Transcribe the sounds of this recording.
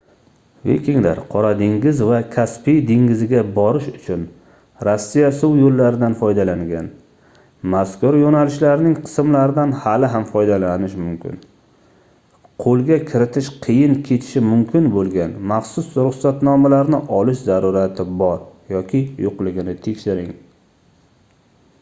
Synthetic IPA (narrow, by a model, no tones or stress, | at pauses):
vḛkʲɪŋla̰ɾqʰɒɾad̪ɪŋɡʲɪzvakʲʰaspijd̪ɪŋɡʲɪzɪɡʲabɒɾɪʃʊt͡ʃʰʊn | ɾasːijasʊwjolːaɾɪd̪anfɒjd̪alaŋɡʲan | maskʊɾjonalɪʃlaɾnɪŋqʰɨ̥smlaɾɪd̪anhalɪɦamfɒjd̪alanɪʃmʊmkʲʰɪ̰n | qʰolˠɡʲakʲʰɪɾɪt̪ʰɪʃqʰɨjɪnkʲʰe̞t̪ʰɪ̥ʃɪmʊmkʲʰɪnbolˠɡʲanmaχsʊsɾʊχsat̪nɒmalaɾnɪʔɒlɪʃzaɾuɾat̪ʰɪbɒɾjɒkʲʰɪjoqlɪɡʲɪnɪt̪ʰe̞kʲʃɪɾɪŋ